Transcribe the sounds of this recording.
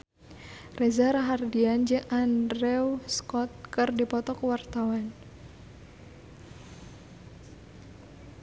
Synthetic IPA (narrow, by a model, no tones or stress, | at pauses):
rɛzaɾaɦardiand͡ʒɨŋʔandrɛwskɔt̪̚kɨrdipɔt̪ɔkwart̪awan